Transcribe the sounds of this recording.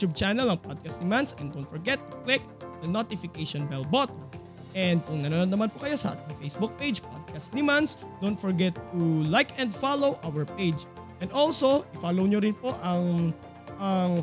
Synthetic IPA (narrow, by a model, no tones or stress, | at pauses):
ut̪ub̚t͡ʃanɐlɐŋpad̪̚kɐst̪nɪmansɛnd̪ownt̪fɔɹɡɛt̪ːʊ̥klɪk̚ | d̪ɐnot̪ɪfɪkejʃɔnbɛlbot̪o | ʔɛnd̪̚kʊŋnɐɾaɾɐnd̪ɐmanpʊkɐjo̞sɐʔa̰t̪ɪŋfejsbuk̚pejd͡ʒpo̰d̪̚kɐst̪̚nɪmansd̪ownt̪fɔɹɡɛt̪ːulajkɛ̃nd̪falowʔawɛɹpejd͡ʒʔɛ̃nd̪olsoʔɪfalowɲoɾɪnpoʔɐŋ | ʔɐŋ